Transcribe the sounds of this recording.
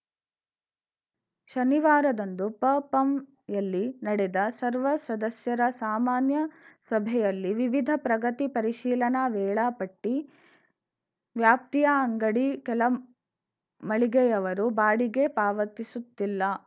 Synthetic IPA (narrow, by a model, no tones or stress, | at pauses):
ʃɐniʋaːɾɐd̪ɐnd̪upɐːpɐm | jɐlːinɐɽɛd̪ɐsɐɾʋɐsɐd̪ɐsjɐɾɐsaːmaːnjɐsɐbʱɛjɐlːiʋiʋid̪ʱɐpɾɐɡɐt̪ipɐɾiʃiːlɐnɐʋɛːɭɐpɐʈːi | ʋjaːp̚t̪ijɐːŋɡɐɽikɛlɐ | mɐɭiɡɛjɐʋɐɾubaːɽiɡe̞paːʋɐt̪isut̪ːilːɐ